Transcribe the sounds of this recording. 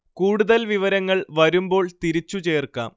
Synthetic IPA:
kuːɽuðɐlʋiʋɐɾɐŋːɐɭʋɐɾumbo̞ːɭt̪iɾit͡ɕːut͡ɕe̞ːrka̰ːm

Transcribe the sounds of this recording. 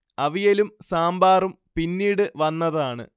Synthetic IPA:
ɐʋijɐlumsaːmbaːrum | pinːiːɽɨʋɐnːɐðaːɳɨ̰

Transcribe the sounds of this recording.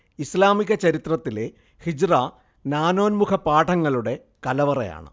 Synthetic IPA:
islaːmiɣɐt͡ɕɐɾit̪rɐt̪ːile̞ | hid͡ʑraː | naːno̞ːnmukʰɐpaːʈʰɐŋːɐɭuɽe̞ | kɐlɐʋɐrɐ̰ja̰ːɳɨ̰

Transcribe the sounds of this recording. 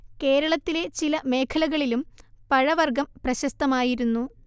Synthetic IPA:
ke̞ːɾɐɭɐt̪ːile̞t͡ɕilɐme̞ːkʰɐlɐɣɐɭilumpɐɻɐʋɐrɡɐmprɐɕɐst̪ɐmaːjiɾunːu

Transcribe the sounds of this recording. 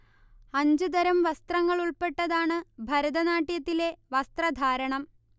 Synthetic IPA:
ɐɲd͡ʑɨd̪ɐɾɐmʋɐst̪rɐŋːɐɭuɭpe̞ʈːɐðaːɳɨbʱɐɾɐd̪ɐnaːʈːjɐt̪ːile̞ʋɐst̪rɐd̪ʱaːɾɐɳɐm

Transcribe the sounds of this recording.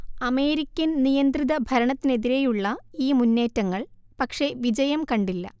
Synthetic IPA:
ɐme̞ːɾikʲːɐnnijɐnd̪riðɐbʱɐɾɐɳɐt̪ːine̞ðiɾe̞juɭːɐiːmunːe̞ːtːɐŋːɐɭ | pɐkʂe̞ʋid͡ʑɐjɐmkɐɳɖilːɐ̰

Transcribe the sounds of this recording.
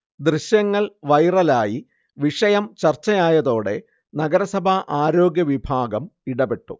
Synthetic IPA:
d̪riɕjɐŋːɐɭʋɐjrɐlaːji | ʋiʂɐjɐmt͡ɕɐrt͡ɕːɐjaːjɐðo̞ːɽe̞ | nɐɡɐɾɐsɐbʱaʔaːɾo̞ːɡjɐʋibʱaːɡɐmiɽɐbe̞ʈːṵ

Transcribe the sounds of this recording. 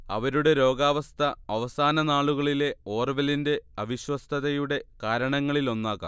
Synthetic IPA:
ɐ̰ʋɐɾuɽe̞ɾo̞ːɡaːʋɐst̪ʰɐɐʋɐsaːnɐnaːɭuɣɐɭile̞o̞ːrʋɐlinde̞ɐʋiɕwɐst̪ʰɐðɐjuɽe̞kaːɾɐɳɐŋːɐɭilo̞nːaːkːa̰ː

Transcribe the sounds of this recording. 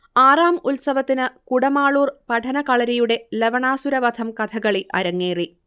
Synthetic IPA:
aːraːmulsɐʋɐt̪ːinɨkuɽɐmaːɭuːrpɐʈʰɐnɐkɐɭɐɾijuɽe̞leʋɐɳaːsuɾɐʋɐd̪ʰʱɐmkɐt̪ʰɐɣɐɭiʔɐ̰ɾɐŋːeːri

